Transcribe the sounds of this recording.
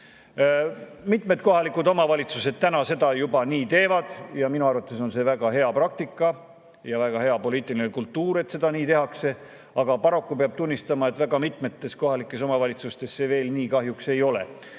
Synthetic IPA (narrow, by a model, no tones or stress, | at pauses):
mit̪ˑme̞d̪̥̚ko̞ɦɑlikud̪o̞mɑvɑlʲit̪suse̞d̪̥̚t̪ænɑse̞d̪ɑjubɑniːt̪e̞ːvɑd̪̥jɑminuɑrvɑt̪ːˑe̞so̞nse̞væɡɑɦe̞ɑprɑk̚t̪ikːˑɑ | jɑvæɡ̥ɑɦe̞ɑpo̞liːt̪ːˑilinekult̪ːuːɾe̞t̪se̞d̪̥ɑniːt̪e̞ɦɑkse̞ | ɑɡ̥ɑpɑɾo̞kːupe̞ɑb̥̚t̪unʲːist̪ɑmɑe̞t̪ːvæɡɑmit̪me̞t̪ːe̞sko̞ɦɑlikːˑe̞s̬o̞mɑvɑlʲit̪sust̪e̞sːe̞ve̞ːlniːkɑɦjukse̞jo̞le̞̰